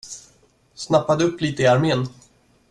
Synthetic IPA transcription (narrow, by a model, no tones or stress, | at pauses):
snapːad̪əɵpːliːt̪əɪaɾmeːn